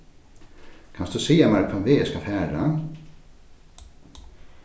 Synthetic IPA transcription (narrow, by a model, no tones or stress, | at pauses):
kʰansd̪usijamaɾkʰvavɪɛskafɛːɾa